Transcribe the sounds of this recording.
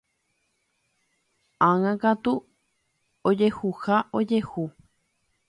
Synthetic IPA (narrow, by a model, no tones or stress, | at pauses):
ãŋãkat̪u | od͡ʒehuhaʔod͡ʒehu